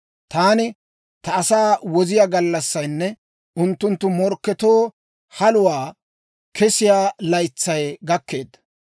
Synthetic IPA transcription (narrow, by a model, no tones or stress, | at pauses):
t̪aːnɪ | t̪ɐɐsaːwɔzɪjaːɡɐlːɐsːɐjnːɛ | ʔʊnt̪ːʊnt̪ːʊmɔɾkːɛt̪oː | hɐlʊwaː | kɛsɪjaːlɐjt͡sːɐjɡɐkːe̞ːd̪ːɐ